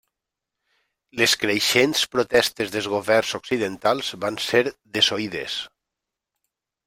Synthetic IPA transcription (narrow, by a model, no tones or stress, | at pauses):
leskɾeʃenspɾot̪ɛst̪ezðezɣoβɛrzoksiðent̪alˠz̥βanseɾðesoiðḛs